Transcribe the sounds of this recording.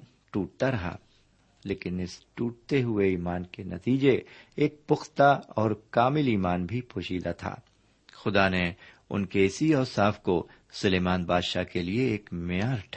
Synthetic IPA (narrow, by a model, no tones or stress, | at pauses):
ʈuːʈ̚t̪aɾɐɦa̰ | leːkɪnɪsʈuːʈ̚t̪eɦʊeiːmaːnkenɐ̰t̪iːd͡ʒeːk̚pʊxt̪aɔːɾkaːmɪliːmaːnbʱipʰʊːʃiːd̪at̪ʰa̰ː | xʊd̪ane | ʊ̰nkeɪsiɔːɾsaːfko | sʊleːmãːnbaːd̪ʃakelieeːkmɪjaːɾʈʰ